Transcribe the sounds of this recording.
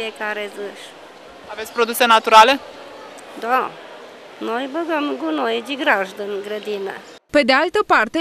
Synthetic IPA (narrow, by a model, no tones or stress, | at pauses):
iekaɾezɨʃ | avet̪sʲpɾo̞d̪use̞nat̪uɾale̞ | d̪a | nojbəɡəmɡunojed͡ʒiɡɾaʒd̪ɨnɡɾəd̪inə̰ | pe̞d̪ealt̪əpart̪e